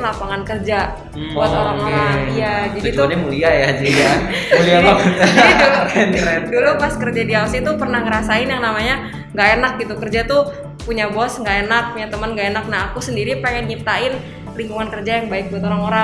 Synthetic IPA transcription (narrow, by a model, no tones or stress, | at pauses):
lapaŋankərd͡ʒa | buat̪oɾaŋoɾaijad͡ʒadit̪uaɲamuliajad͡ʒiɡamuliamakut̪lɛnɾɛtdulupaskərd͡ʒadiaasɪt̪upərnahŋəɾasaɪnjaŋnamaɲa | ŋɡaɛnak̚ɡit̪ukərd͡ʒat̪u | puɲabɔsŋɡaʔɛnak̚puɲat̪əmənɡaenak̚naːkusəndiɾipaŋɛnɲip̚t̪aɪn | liŋkuŋankərd͡ʒajaŋbaɪk̚buat̪oɾaŋoɾa